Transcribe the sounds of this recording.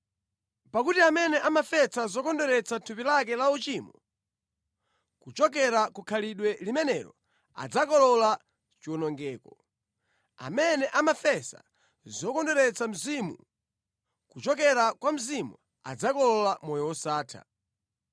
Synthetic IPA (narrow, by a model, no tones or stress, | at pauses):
pakutiamɛnɛʔamafɛsazɔkɔndɔɾɛt͡satʰupilak̬ɛlaut͡ʃimu | kut͡ʃɔk̬ɛɾakukʰaliɗwɛlimɛnɛɾɔ̰ | a̰d͡zakɔlɔla | t͡ʃiɔnɔŋɡɛːkɔ | a̰mɛnɛʔamafɛsa̰ | zɔkɔndɔɾɛt͡sam̩zimṵ | kut͡ʃɔk̬ɛɾakwam̩zimu | a̰d͡zakɔlɔlamɔjɔwɔsaːtʰa̰